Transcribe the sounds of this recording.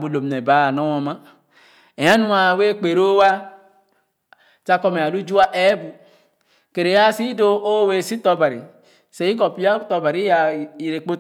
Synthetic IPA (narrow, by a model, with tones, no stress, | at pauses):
bu˨lo˨m˨ne˨ba˨˦˨nɔ˦wɔ˨ma˦ | e˨ja˦nũ˦a˨we˦k͡pe˨ɾo˦wa˦ | t͡ʃa˦kɔ˦me˨a˨lu˦d͡ʒu˦a˦ʔe˦bu˨ | ke˨ɾe˨ja˦si˦do˦o˦we˨si˦tɔ˦ba˨ɾḭ˨ | se˨˦i˦k̬ɔ˨pi˦a˦tɔ˨ba˨ɾi˦a˨i˨ɾe˨k͡po˦